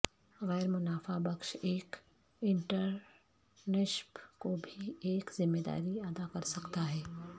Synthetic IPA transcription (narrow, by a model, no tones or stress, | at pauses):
ɣɛːɾmʊnaːfabɐkʃeːk | ɪ̃ɳʈəɾ | nɪʃpkobʱieːkzɪmːeːd̪a̰ːɾiaːd̪akɐɾsɐkt̪aɦɛː